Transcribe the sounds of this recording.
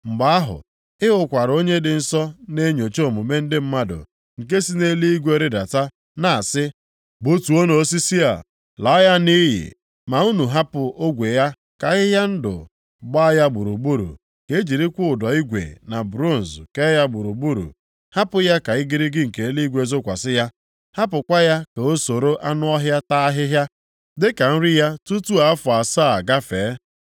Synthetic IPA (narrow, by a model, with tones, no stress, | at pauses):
ŋ͡m̩˨ɡ͡ba˨a˦ɦʊ̰˨ | ɪ˦ʊ˦kʷa˨ɾo˦ɲe˦dɪ˨n̩˨sɔ˦ne˦ɲo˨t͡ʃo˦˨mʊ˨me˦n̩˦dɪ˦m̩˦ma˦dʊ̰˨ | ŋ̩˨k̬e˦si˦ne˦li˦i˦ɡʷe˦ɾɪ˦da̰˨ta˦ | na˨a˨sɪ˦ | bu˦tu˨o˦no˨˦si˦si˦a̰˨ | lɔ˨˦ja˦ni˦ɦɪ̰˨ | ma˨u˦nu˨ɦa˦pʊ˨o˦ɡʷe˨ja˦ | ka˨ɣɪ˦ɦja˦n̩˦dʊ̰˨ | ɡ͡ba˦ja˦ɡ͡bu˨ɾu˨ɡ͡bu˦ɾṵ˨ | ke˦d͡ʒi˨ɾi˦kʷʊ˦ʊ˨dɔ˨i˦ɡʷḛ˨na˨bɾo˦˨n̩˨zke˦ja˦ɡ͡bu˨ɾu˨bu˦ɾṵ˨ | ha˦pʊ˦ja˦ka˨ɪ˦ɡɪ˦ɾɪ˦ɡɪ˦ŋ̩˨ke˨˦li˦ɡʷe˨zo˦kʷa˨sɪ˦ja˦ | ha˦pʊ˨kʷa˦ja˦ke˨o˦so˨ɾo˦ʔa˦nʊ˦ɔ˦ɦja˦ta˦a˦ɦɪ˦ɦja˦ | dɪ˦ka˨n̩˦ɾɪ˦ja˦tu˦tu˦a˨a˦fʊ˨a˨saː˦˨ɡa˦feː˨˦